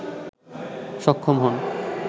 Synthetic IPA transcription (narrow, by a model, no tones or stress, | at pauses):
ʃɔkʰːomɦɔn